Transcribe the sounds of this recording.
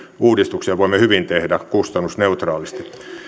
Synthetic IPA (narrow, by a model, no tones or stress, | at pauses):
uːdist̪uksiɑʋoimːehyʋint̪ehdækust̪ɑnːusneut̪rɑːlist̪i̥